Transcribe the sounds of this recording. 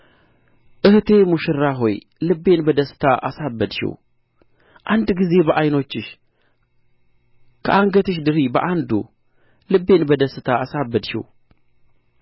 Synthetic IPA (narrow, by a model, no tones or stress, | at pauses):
ʔɨht̪ʰe̞muʃɨɾːaɦo̞j | lɨbːe̞nbəd̪əsːɨ̥t̪ʰaʔa̰sabːəd̪ʃḭw | ʔand̪ɡize̞bəʔajno̞t͡ʃːɪʃ | kʰəʔaŋɡət̪ɨʃ̬d̪ɨɾibəʔand̪ṵ | lɨbːe̞nbəd̪əsːɨt̪ʰaasabːəd̪ʃḭw